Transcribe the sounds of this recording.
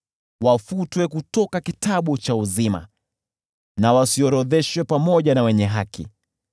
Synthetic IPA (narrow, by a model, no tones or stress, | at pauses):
wafutwɛkutɔkakitaɓut͡ʃauzima̰ | nawasiɔɾɔðɛʃwɛpamɔʄanawɛɲɛɦakḭ